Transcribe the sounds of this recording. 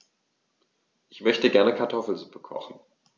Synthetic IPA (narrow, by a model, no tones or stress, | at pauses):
ʔɪçmœçtəɡɛɐnəkʰaɐtʰɔfl̩zupʰəkʰɔ̰χn̩